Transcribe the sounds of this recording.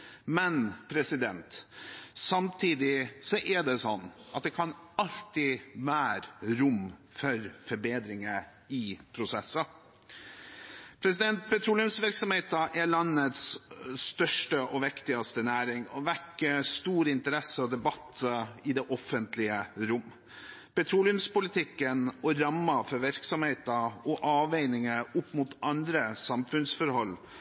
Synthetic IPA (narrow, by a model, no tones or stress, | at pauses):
mɛnpʰɾɛsɪd̪ɛnt̪sɑmt̪ʰiːd̪ɪsɔʔæɖɛsɔnːɑt̪̚d̪ɛkʰɑnɑlt̪ɪʋæːɾɾʊmːfɔɾfɔɾbeːd̪ɾɪŋə | ɪpʰɾʊsɛsːə | pʰɾɛs̬ɪd̪ɛnt̪̚pʰɛt̪ʰɾuːlɪʉmsʋɪɾksɔmheːt̪əʔɛɭɑnːət̪sst̪œʂʈəʔɔʋɪkt̪ɪɑst̪ənæːɾɪŋɔʋækːəst̪uːɾəɪnt̪əɾɛsəɔd̪ɛbɑt̪ːɪd̪ɛːʔɔfːənt̪lɪəɾʊm | pɛt̪ʰɾuːlɪʉmspʊlɪt̪ʰɪkːənɔɾɑmːɑfɔɾʋɪɾksɔmheːt̪ɑɔʔɑːʋeɪnɪŋəʊpːmʊt̪ɑnd̪ɾəsɑmfʉnsfɔɾhɔlː